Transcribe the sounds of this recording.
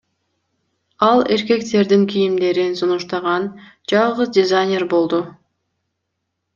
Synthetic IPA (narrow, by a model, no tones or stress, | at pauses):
ɑlˠe̞ɾke̞kt̪e̞ɾd̪iŋkʰijimd̪e̞ɾinsunuʃt̪ɑʁɑn | d͡ʒɑlˠʁɯzdʲɪzajnʲeɾbo̞lˠd̪u